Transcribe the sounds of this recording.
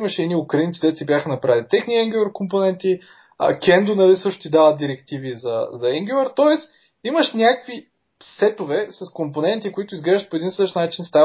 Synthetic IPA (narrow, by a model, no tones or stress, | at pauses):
mɐʃɛiniʊkɾɐint̪sid̪ɛt̪sibʲjaxənɐpɾavɛlit̪ɛxniɛŋɡʲuɐɾkomponɛnt̪ḭ | kʲɛnd̪ʊnɐlisɤʃt̪ʊ̥t̪id̪avət̪̚d̪iɾɛkt̪ivizɐzɐɛŋɡʲuɐɾt̪ɔɛs | imɐʃnʲakvi | sɛt̪ovɛsɐskomponɛnt̪ikʊit̪ʊizɡlɛʒət̪poɛd̪insəʃnat͡ʃinst̪a